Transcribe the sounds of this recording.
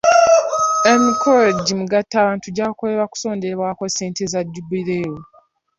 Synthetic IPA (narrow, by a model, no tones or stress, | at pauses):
e̞mikʰoleɟimuɡatːaːβaːntuɟaːkole̞βaku̥so̞ːndeβwaːko̞se̞ːntezaɟːubiɾeːjo